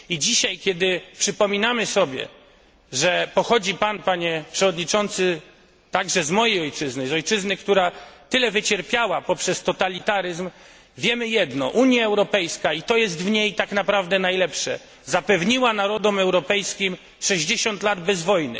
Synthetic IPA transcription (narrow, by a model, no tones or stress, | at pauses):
id͡ʑiɕajkʲɛd̪ɘpʂɘpɔmʲinamɘsɔbʲjɛ̰ | ʐɛpɔxɔd͡ʑipanpaɲɛpʂɛvɔd̪ɲit͡ʂɔnt̪sɘ | t̪aɡʐɛzmɔjejɔjt͡ʂɘznɘzɔjt͡ʂɘznɘkt̪uɾat̪ɘlɛvɘt͡ɕɛɾpʲjawapɔpʂɛst̪ɔt̪alʲit̪aɾɘzm | vʲjɛmɘjɛd̪nɔ̰ʔuɲjaɛwɾɔpɛjskait̪ɔjɛst̪vɲejt̪aknapɾavd̪ɛnajlɛpʂɛ̰ | zapɛvɲiwanaɾɔd̪ɔmɛwɾɔpɛjskʲim | ʂɛʑd͡ʑeɕɔnt̪lad̪bɛzvɔjnɘ̰